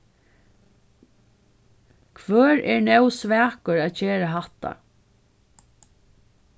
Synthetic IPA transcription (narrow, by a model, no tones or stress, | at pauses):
kʰʋœːɾɛɹnɛwsʋæːkəɹaːçeːɾaɦat̪a̰